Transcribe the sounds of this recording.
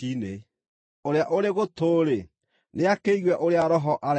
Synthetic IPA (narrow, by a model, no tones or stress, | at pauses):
ine | oɾeaʔoɾeɣotoɾe | neakeiɣwɛʔoɾeaɾɔɦɔʔaɾ